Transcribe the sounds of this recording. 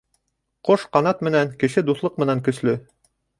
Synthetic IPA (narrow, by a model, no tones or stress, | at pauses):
qoʃqɑnɑt̪mɘ̆næŋkɘ̆ʃɘd̪uθlˠɤq̚mɘ̆næŋkɵ̆slɵ